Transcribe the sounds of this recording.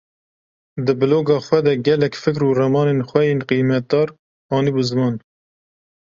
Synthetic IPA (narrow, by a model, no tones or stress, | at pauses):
d̪ɨbɨloːɡɑːxwɛd̪ɛɡɛlɛkfɨkɾuːrɛmɑːnenxʷɛjeːnqijmɛt̪̚d̪ɑːɾ | ɑːnibuzɨmɑːn